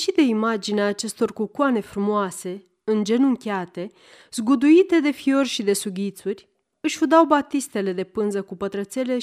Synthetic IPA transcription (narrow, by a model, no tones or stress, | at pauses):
ʃid̪e̞imad͡ʒineaːt͡ʃe̞st̪o̞rkukwane̞fɾumoase̞ | ɨnd͡ʒe̞nuŋkʲeat̪e̞ | z̥ɡud̪uit̪e̞d̪e̞fio̞rʲʃid̪e̞suɡʲit̪surʲ | ɨʃʲud̪awbat̪ist̪e̞le̞d̪e̞pɨnzəkupət̪ɾət̪se̞le̞